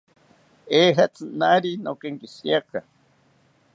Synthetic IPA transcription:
eːɦat͡sɨnaɾinokeŋkisiakʰa

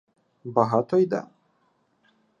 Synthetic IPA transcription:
baɦat̪ɔjd̪a̰

